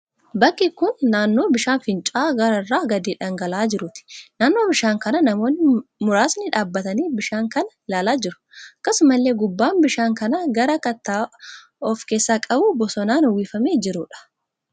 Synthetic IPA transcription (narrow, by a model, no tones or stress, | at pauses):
bɐkːɪkʊnːaːnːo̞ːbɪʃaːnfɪnt͡ʃʼaːɡɐɾɐrːaːɡɐd̪iːᶑɐŋɡɐlaːd͡ʒɪɾʊt̪ɪ̥naːnːo̞ːbɪʃaːŋkɐnɐnɐmo̞ːnːɪmʊɾaːsnɪᶑaːbːɐt̪ɐniːbɪʃaːŋkɐnɐlaːlaːd͡ʒɪɾʊ̥ | ɐkːɐsʊmɐlːe̞ːɡʊbːaːnbɪʃaːŋkɐnɐɡɐɾɐkɐt̪ːaː | ɔfke̞ːsːaːkʼɐbuːbɔsɔnaːnwiːfɐmeːd͡ʒɪɾʊᶑɐ̥